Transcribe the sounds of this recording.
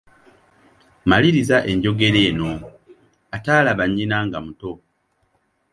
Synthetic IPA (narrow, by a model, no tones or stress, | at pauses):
maliɾizaʔe̞ɲɟo̞ɡe̞ɾe̞ːno̞ | ataːlaβaɲːinaŋɡamuto̞